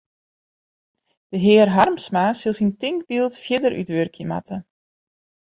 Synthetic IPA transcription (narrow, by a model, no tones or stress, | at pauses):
d̥əɦɪːərɦarmsmaːsilˠsintɪŋk̚bilˠtfjɪdəɾʔy̰tʋørkʰjəma̰tʰə